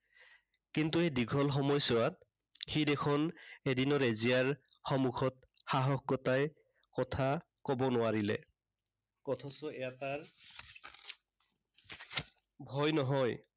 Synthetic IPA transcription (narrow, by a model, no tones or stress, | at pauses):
kintuediɡʱɔlxɔmɔjsɔwat̚ | xidekʰɔnedinɔɹezijaɹ | xɔmukʰɔt̚ | xaɦɔxɡɔtaj | kɔtʰa | kɔbɔnʊwaɹilɛ̰ | kɔtʰɔsɔejataɹ | bʱɔjnɔɦɔj